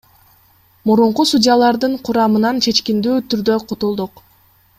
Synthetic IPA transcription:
muɾuɴqusudʲjɑlˠɑɾd̪ɯɴqʰuɾɑmɯnɑnt͡ʃʰe̞t͡ʃkind̪yːt̪ʰyɾd̪ø̞qʰut̪ulˠd̪uq

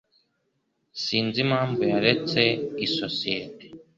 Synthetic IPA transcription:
siːnzimaːmbujaɾet͡se̞isosiete̥

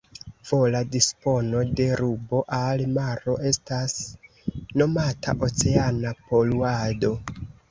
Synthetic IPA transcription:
v̥o̞ladispo̞no̞de̞ɾubo̞ʔalmaɾo̞ʔe̞stas | no̞matʰa̰ʔo̞t͡se̞anapo̞luado̞

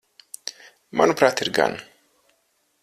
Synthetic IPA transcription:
ma̰nupɾat̪iɾɡa̰n

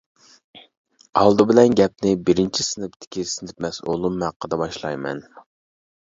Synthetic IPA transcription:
ɑ̰lˠd̪ɨbɪlɛnɡʲɛp̚nɪbɪɾɪnt͡ʃʰisɨnɨp̚t̪ʰɪ̥kʲʰisɨnɪp̪mɛso̰lˠumːæqʰːəd̪ɑbɑʃlˠɑ̰jmɛ̰n

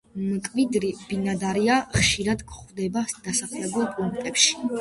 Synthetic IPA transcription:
mkʼvid̪ɾibinad̪aɾiaχʃiɾad̪kʰχwd̪ɛbad̪̥asaχlɛbulˠpʼluŋkt̪ʼɛpʃi̥

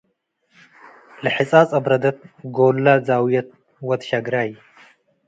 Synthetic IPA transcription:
lɨħɨt͡sʼat͡sʼɐbɾɐd̪ɐt̪̚ɡolːazawjɐt̪̚ | wɐt̪ʃaɡɾaj

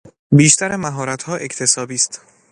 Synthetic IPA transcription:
biːʃt̪æɾemæɦɒːɾæt̪ʰhɒːʔe̞cʰt̪ʰe̞sɒːbiːst̪

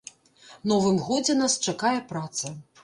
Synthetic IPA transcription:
nɔvɨmɣɔd͡zʲɛnast͡ʂakajɛpɾat̪sɐ

